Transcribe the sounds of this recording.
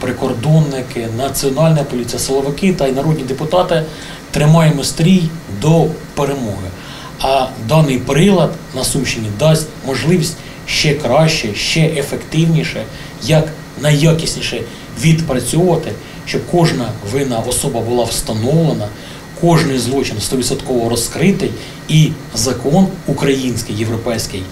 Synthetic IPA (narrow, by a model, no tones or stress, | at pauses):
pɾɪkɔrd̪ɔnːɪkɪnɐt͡sʲiɔnɑlʲnɛjɐpɔlʲit͡sʲijɐsɪlˠɔʋɪkɪt̪ɐinɐɾɔd̪ʲnʲid̪epʊt̪ɑt̪ɪ | t̪ɾɪmɑjɪmɔst̪ɾʲijd̪ɔpeɾemɔɦɪ | ɐd̪ɑnɪjpɾɪlˠɐd̪nɐsuʃɪnʲid̪ɑsʲtʲmɔʒlˠɪʋʲisʲtʲ | ʃt͡ʃɛkɾɑʃt͡ʃɛʃt͡ʃɛʔefekt̪ɪwnʲiʃɛ | jɐk | nɐjjːɑkʲisʲnʲiʃɛ | ʋʲid̪pɾɐt͡sʲɔʋɐt̪ɪ | ʃt͡ʃɔb̚kɔʒnɐʋɪnɐʔɔsɔbɐbʊlˠɑwst̪ɐnɔwlˠenɐ | kʰɔʒnɪjzlˠɔt͡ʃɪnst̪ɔʋʲɪsɐt̪kɔʋɔɾɔskɾɪt̪ɪj | i | zɐkɔnukɾɐjinʲsʲkɪjːe̞wɾɔpɛjsʲkɪj